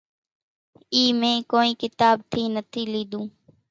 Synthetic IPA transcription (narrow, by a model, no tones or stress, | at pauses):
iːmẽːkoːiːkɪt̪aːb̚t̪ʰiːnət̪ʰiːliːd̪ũː